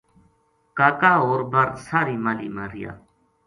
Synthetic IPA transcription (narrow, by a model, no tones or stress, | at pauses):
kaːkaːoːɾbaɾsaːɾiːmaliːmaɾija̰ː